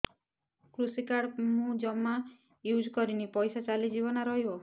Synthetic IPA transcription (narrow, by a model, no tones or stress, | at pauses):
kɾusikaɽmũd͡ʒɔmːa | jud͡ʒkɔɾinipɔjsat͡ʃalid͡ʒibɔnaɾɔɦio